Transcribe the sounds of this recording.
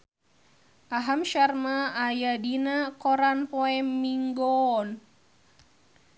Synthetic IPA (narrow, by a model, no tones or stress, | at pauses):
ʔaɦamʃarmaːjadinakɔɾanpɔɛmːiŋɡɔn